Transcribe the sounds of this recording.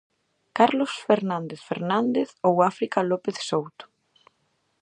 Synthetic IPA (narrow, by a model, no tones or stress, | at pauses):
kaɾlosfeɾnãnd̪eθfḛɾnand̪eθowafɾikalopeθsowt̪ʊ̥